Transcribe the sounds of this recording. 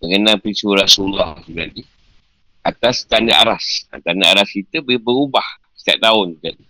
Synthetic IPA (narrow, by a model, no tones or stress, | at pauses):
məŋənalpɾisuɾasulɔhsuɡa̰di | ʔat̪ast̪anəʔa̰ɾasa̰nt̪anaaɾaskit̪əbbəɾubah | sə̥t̪ia̰ʔ̚t̪aʊnd͡ʒuɡadi